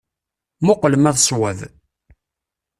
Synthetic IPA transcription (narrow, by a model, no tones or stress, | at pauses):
mʊqləmæðswæð